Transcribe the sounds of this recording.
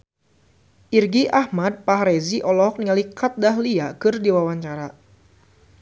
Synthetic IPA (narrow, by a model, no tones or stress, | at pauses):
ʔirɡiʔahmad̪̚paɦɾeziʔɔlɔɦɔk̚niŋalikat̪̚daɦliakɨrdiwawaɲt͡ʃaɾa